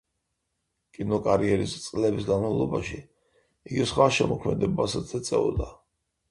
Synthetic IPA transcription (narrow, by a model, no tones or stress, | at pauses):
kʼinɔkʼaɾiɛɾist̪sʼlɛbisɡanmavlˠɔbaʃi | iɡisχwaʃɛmɔkʰmɛd̪ɛbasat̪zɛt̪sʼɛɔd̪a